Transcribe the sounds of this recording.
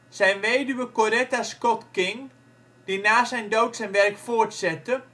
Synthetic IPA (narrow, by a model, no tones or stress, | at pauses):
sɛjnʋeːdyʋəkorɛtaskɔtkɪŋ | d̥inaːsɛjndowtsɛjnʋɛrkfortsɛtə